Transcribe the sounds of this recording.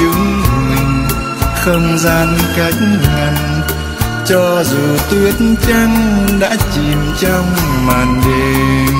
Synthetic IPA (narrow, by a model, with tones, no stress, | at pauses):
ɨ˨˦mɨ˨˩ŋ | xə˧wŋ͡mzaː˧nka˨˦˥jk̚ŋa˨˩ŋ | t͡ɕɔ˧zu˨˩t̪wi˦˥ət̚nt͡ɕa˧ŋɗa̰ː˧˥t͡ɕi˨˩mt͡ɕɔ˧wŋ͡mmaː˨˩nɗe˨˩